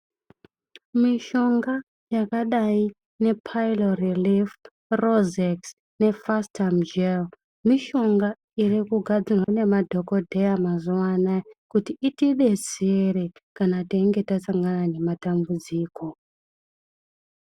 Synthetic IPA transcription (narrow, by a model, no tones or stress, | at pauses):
miʃo̞ŋɡa | jakaɗai | ne̞pʰajlorilif | rozeks | ne̞fastʰamd͡ʒel | miʃo̞ŋɡa | irikuɡʱad͡zirwane̞madʱo̞kodʱejamazuwanakutiːtiɗe̞seɾekanateiŋɡe̞tasaŋɡanane̞matambud͡ziːko̞